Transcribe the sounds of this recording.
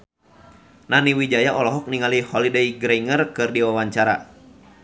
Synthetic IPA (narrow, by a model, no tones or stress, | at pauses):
nʔaniwid͡ʒajaʔɔlɔɦɔk̚niŋalihɔlidejɡɾeiŋərkɨrdiwawaɲt͡ʃaɾa̰